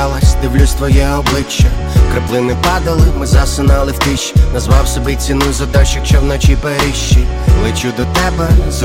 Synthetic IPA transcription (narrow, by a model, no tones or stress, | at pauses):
lˠɐsʲd̪ɪwlʲust̪ʋɔjɛɔblˠɪt͡ʃːɐ | kɾɐplˠɪnɪpɑd̪ɐlˠɪmɪzɐsɪnɑlˠɪwt̪ɪʃnɐzʋɑwsɔbit͡sʲinujzɐd̪ɑt͡ʃɪk̚t͡ʃɔwnɔt͡ʃipeɾɪʃt͡ʃːi | lˠɪt͡ʃud̪ɔt̪ɛbɛz